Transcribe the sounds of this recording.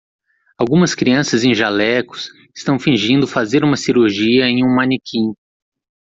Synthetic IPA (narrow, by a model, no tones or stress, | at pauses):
awɡũmɐskɾiɐ̃sɐzẽj̃ʒalɛkʊ̥s | ɪst̪ɐ̃w̃fĩʒĩnd̪ʊfazeɾũmɐsiɾuɾʒiɐẽj̃ũmɐ̃nikʰĩ